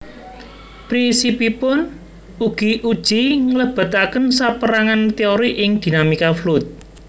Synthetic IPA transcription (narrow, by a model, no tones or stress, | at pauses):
pɾinsipipʊn | uɡ̥iʔud̥ʒ̥iŋələb̥ə̤t̪akənsapəɾaŋant̪iɔɾiʔɪŋd̪̥i̤namikaflut̪̚